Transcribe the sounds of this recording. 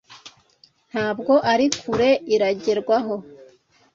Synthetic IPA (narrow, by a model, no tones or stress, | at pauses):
n̥haːbɡo̞ʔaɾikʰuɾe̞iɾaɟeɾɡwaɦo̞